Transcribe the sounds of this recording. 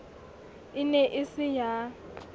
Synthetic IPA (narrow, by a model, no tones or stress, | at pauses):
ɪnɛʔɪsɪja